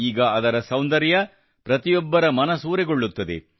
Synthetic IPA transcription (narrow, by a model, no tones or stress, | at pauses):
iːɡɐʔɐd̪ɐɾɐsɐwnd̪ɐɾjɐ | pɾɐt̪ijɔbːɐɾɐmɐnɐsuːɾɛɡoɭːut̪ːɐd̪ḛ